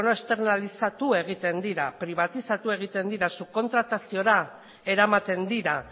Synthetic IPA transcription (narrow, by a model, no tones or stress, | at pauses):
noest̪e̞ɾnalisat̪ue̞ɣ̞it̪e̞nd̪iɾapɾiβ̞at̪isat̪ue̞ɣ̞it̪e̞nd̪iɾasuko̞nt̪ɾat̪asio̞ɾa | e̞ɾamat̪e̞nd̪iɾa